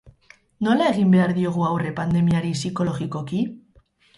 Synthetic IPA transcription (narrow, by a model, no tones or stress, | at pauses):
no̞lae̞ɣ̞imbe̞aɾðio̞ɣ̞uawre̞pand̪e̞miaɾisiko̞lo̞ɣiko̞ki